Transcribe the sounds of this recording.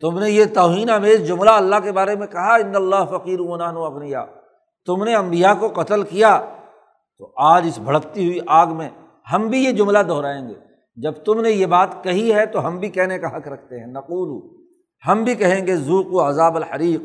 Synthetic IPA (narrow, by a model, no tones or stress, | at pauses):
t̪ʊmnejet̪ɔːɦiːnameːsd͡ʒʊmlaɐlːakebaːɾemẽkɐɦaɪ̃nːɐlːaːɦfɐqiːɾumɐnaːnuɐɣnɪja̰ː | t̪ʊmneɐ̃mbijakoqɐt̪əlkija | t̪oʔaːd͡ʒɪsbʱɐɽəkt̪iɦʊiʔaːɡmẽ | ɦɐmbʱijed͡ʒʊmlad̪ʱɔːɾaːẽːŋɡḛː | d͡ʒɐbt̪ʊmnejebaːt̪kɐɦiɦɛt̪oɦɐmbʱikɛɦnekaɦɐkɾɐk̚ʰt̪eɦɛ̃nɐquːluː | hɐmbʱikɐɦẽːŋɡezuːquɐzaːbɐlħɐɾiːq